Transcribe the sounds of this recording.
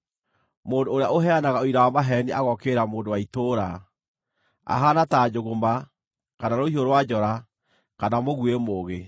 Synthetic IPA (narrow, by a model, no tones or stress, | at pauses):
moːndoːɾeaoɦɛanaɣaoiɾawamaɦɛniʔaɣɔkeːɾamoːndowaitoɾa | a̰ɦanataːd͡ʑoɣoma | kanaɾohioɾowad͡ʑɔɾa | kanamoɣwemoːɣe